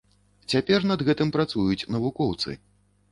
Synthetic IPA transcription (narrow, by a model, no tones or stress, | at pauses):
t͡sʲapʲɛrnɐd̪ɣɛt̪ɨmpɾat̪sujut͡sʲnɐvukɔwt̪sɨ̰